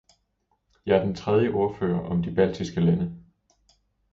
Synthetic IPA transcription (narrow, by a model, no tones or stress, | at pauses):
jɑæɐd̥ent͡sʰʁɛð̞ˠjəʔo̝ɐfø̰ːɐʔɒ̽md̥ib̥æl̰d̥ʰisɡ̥əlænə